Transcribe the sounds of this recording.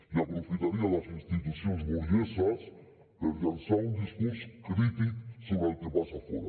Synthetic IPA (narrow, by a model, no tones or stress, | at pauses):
iapɾofit̪aɾialasinst̪it̪usjõnzβoɾjesas | keɾjansaund̪iskuɾskɾit̪ik̪soβɾalk̪epasafo̰ɾa̰